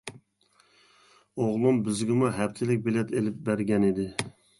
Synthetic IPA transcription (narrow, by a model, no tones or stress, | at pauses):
oʁlˠumbɪzɡʲɪmuɦɛpt̪ʰɪlɪk̚ʲbelɛt̪elɪp̚bæɾɡʲɛnid̪ɪ